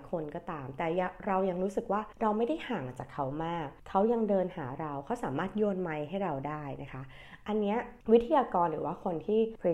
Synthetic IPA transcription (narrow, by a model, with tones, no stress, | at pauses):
kʰo˧nkɔː˥˩t̪aː˧mt̪ɛː˨˩ja˧ɾa˧wja˧ŋɾuː˦˥sɯ˨˩k̚waː˥˩ɾa˧wma˥˩jda˥˩jhaː˩˦ŋt͡ɕaː˨˩kʰːa˦˥wmaː˥˩k̚ʰːa˦˥wja˧ŋdɤː˧nhaː˩˦ɾa˧wkʰa˦˥wsaː˩˦maː˥˩t̪̚jo˧nma˧jɦa˥˩jɾa˧wdaː˥˩jna˦˥kʰa˦˥ | ʔa˧nːi˦˥ɐwi˦˥t̪ʰːa˧jaː˧kɔː˧nɾɯː˩˦waː˥˩kʰo˧nt̪ʰiː˥˩pʰi˦